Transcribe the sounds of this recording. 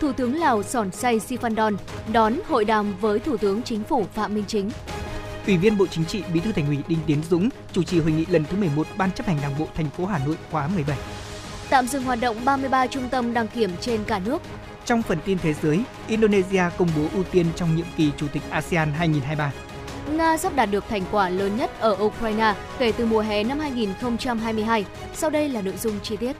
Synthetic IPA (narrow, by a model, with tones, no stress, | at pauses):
t̪ʰu˧˩t̪ɨ˨˦əŋlaː˨˩wsɔ˧˩nsa˧jsi˧faː˧nɗɔ˧nɗɔ˨˦nho̰˧˨jɗaː˨˩mvəː˨˦jt̪ʰu˧˩t̪ɨ˨˦əŋt͡ɕï˨˦ŋ̟fu˧˩fa̰ː˧˨mï˧ŋ̟t͡ɕï˨˦ŋ̟ʔwi˧˩vi˧ənɓo̰˧˨t͡ɕï˨˦ŋ̟t͡ɕḭ˧˨ɓḭ˧˥t̪ʰɨ˧t̪ʰŋ̟hwi˧˩ɗï˧ŋt̪i˨˦ənzʊ̰˧˥ŋ͡m | t͡ɕu˧˩t͡ɕḭ˨˩ɦo˨˩jŋḭ˧˨lə˨˩nt̪ʰɨ˨˦mɨ˨˩əjmo˨˩t̚ɓaː˧nt͡ɕə˦˥p̚hɛ˨˩ŋ̟ɗaː˨˩ŋɓo̰˧˨t̪ʰɛ˨˩jŋ̟fo˨˦ɦaː˨˩no̰˧˨jkwaː˨˦mɨ˨˩əjɓə˧˩j | t̪a̰ː˧˨mzɨ̰˧˨ŋhɦwaː˨˩t̚ɗə̰˧˨wŋ͡mɓaː˧mɨ˧əjɓaː˧t͡ɕʊ˧ŋ͡mt̪ə˧mɗaː˧˩ŋki˧˩əmt͡ɕe˧nkaː˧˩nɨ˦˥ək̚ | t͡ɕɔ˧wŋ͡mfə˨˩nt̪i˧nt̪ʰe˨˦zəː˨˦j | ʔi˧nɗo˧ne˧zi˧aː˧kə˧wŋ͡mɓo˨˦ʔu˧t̪i˧ənt͡ɕɔ˧wŋ͡mɲḭ˧˨əmki˨˩t͡ɕu˧˩t̪i˨˩k̟̚ʔaː˧si˧aː˧nɦaː˧jŋi˨˩nɦaː˧jɓaː˧ | ŋaː˧zaː˦˥p̚ɗaː˨˩t̚ɗɨ˨˩ək̚t̪ʰɛ˨˩jŋ̟kwaː˧˩ləː˨˦nɲə˦˥t̚ʔəː˧˩ʔu˧kɾaː˧jnaː˧ | ke˧˩t̪ɨ˨˩mu˨˩əɦɛ˨˩na˧mhaː˧jŋi˨˩nxə˧wŋ͡mt͡ɕa˧mɦaː˧jmɨ˧əjɦaː˧j | sa˧wɗə˧jlaː˨˩no̰˧˨jzʊ˧ŋ͡mt͡ɕi˧t̪i˦˥ət̚